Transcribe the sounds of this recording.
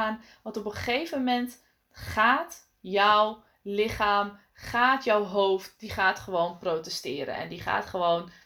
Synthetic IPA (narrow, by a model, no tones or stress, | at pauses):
aːn | ʋɑ̃ntɔpəχejvəmɛnt | χaːt | jɔw | lɪχaːm | χaːtjɔwɦowft̚diχaːtχəʋownprowtɛstɪːɾə̰nɛ̰ndiχa̰ːtχəʋown